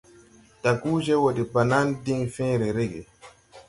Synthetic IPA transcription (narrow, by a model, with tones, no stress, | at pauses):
ta˨kuː˦d͡ʒɛ˦wo˨di˨ba˨naː˦ndi˦ŋfɛ̃ː˦ɾɛ˨ɾe˦ɡḛ˨